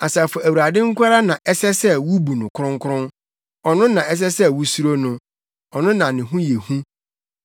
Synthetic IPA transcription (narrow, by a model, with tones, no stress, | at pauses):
a˨sa˨fɔ˨æ˨wu˨ɾa˨dɪ̃˦ŋ̩˦kʷʰa˦ɾa˦nã˨ʔɛ˦sɛ˦sɛ˦wu˦bu˨nʊ̃˨kʰʊ˦ɾʊ̃˦ŋ˦kʰʊ˦ɾʊ̃˦n | ɔ˨nʊ̃˦nã˨ɛ˦s̬ɛ˦sɛ˦wu˦su˦ɾo˦nʊ̃˦ | ɔ˨nʊ̃˦nã˨nɪ̃˨ɦũ˦je˨hũ˦